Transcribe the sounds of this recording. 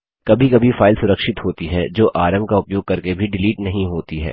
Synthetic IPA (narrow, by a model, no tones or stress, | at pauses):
kɐbʱikɐbʱifaːɪlsʊɾəkʃɪt̪ɦoːt̪iɦɛd͡ʒoːʔaːɾəmkaʊpjoːɡ̚kɐɾkebʱiɖɪliːʈnɐɦĩɦoːt̪iɦɛ̰ː